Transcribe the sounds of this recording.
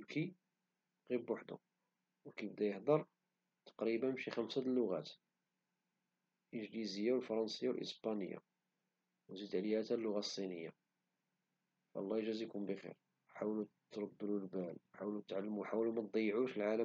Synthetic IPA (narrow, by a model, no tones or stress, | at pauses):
bki | ɣibwaħd̪ʊ̰ | wkibd̪æjəħd̪əɾˤ | t̪ɑ̥qɾibənmʃixæmsælːʊɣæ̰t̪ | lʔənʒlizəjːawəlfɑɾˤɑnsəjːawlʔə̰spænə̰jːa̰ | wzid̪ʕlihæt̪ælːʊɣæsˤːinəjːa̰ | fʔlˤːɑjʒæzikumbəxḭɾ | ħawlut̪ːɾˤɑb̪ːəlulbælħawlut̪ʕalːmuħawlumæt̪̚d̪ˤɑjːʕuʃəlʕalə